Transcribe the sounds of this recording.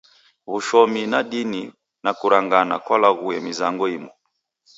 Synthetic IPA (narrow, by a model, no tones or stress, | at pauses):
βuʃɔminaɗini | nakuɾaŋɡanakwalaɣuɛmizaŋɡɔimɔ